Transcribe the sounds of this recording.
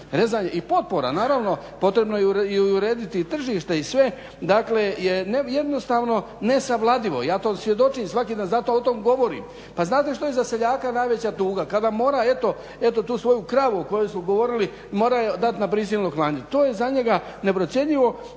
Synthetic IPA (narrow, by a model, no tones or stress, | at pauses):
ɾe̞zaːɲeʔipo̞t̪̚po̞ɾa̰naːɾaʋno̞po̞t̪ɾe̞bnojeuɾɛuɾeːd̪it̪it̪r̩ʒiːʃt̪e̞isʋe̞ | d̪akleje̞neje̞d̪no̞st̪aʋno̞ | ne̞saʋlˠad̪iʋo̞̰ḭjaːt̪oːsʋje̞d̪o̞t͡ʃiːmsʋakid̪aːnzat̪o̞ot̪omɡo̞ʋo̞ɾḭm | paznaːt̪e̞ʃt̪ojezase̞ʎaːkanajʋe̞t͡ɕat̪uːɡakad̪amo̞ːɾaet̪o̞ | et̪o̞t̪uːsʋo̞jukɾaʋuoko̞jejsmuɡo̞ʋo̞ɾili | mo̞ːɾajed̪at̪napɾis̬ilnoklˠaːɲet̪o̞ːje̞zaɲe̞ɡa | ne̞pɾo̞t̪sje̞ʎiʋo̞